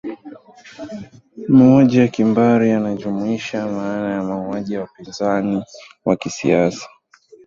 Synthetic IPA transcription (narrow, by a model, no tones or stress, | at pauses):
mauaʄijakimbaɾijanaʄumuiʃamaːnajamauaʄijawapinzani | wakisḭasḁ